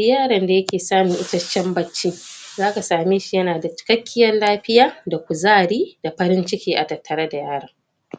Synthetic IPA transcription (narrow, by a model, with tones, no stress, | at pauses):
jaː˦ɽɐ˨nda˨jɐ˦kʲeː˨saː˦mɪ˨ŋʔɪ˦tɐ˦t͡ʃːɛ˦mbɐ˦t͡ʃːiː˦zaː˦ka˨saː˨meː˦ʃi˨jɐ˦naː˨da˨t͡ʃɪ̥˨kɐ˦kʲːɪ˦jɐ˦nlaː˦ɸɪ˦jaː˦da˨kʷʊ˨zaː˦ɽiː˦da˨ɸɐ˦ɾɪ˦nt͡ʃɪ˦kʲeː˦ʔa˨dɐ˨tːɐ˨ɾɐ˦da˨jaː˦ɽɐ˨ŋ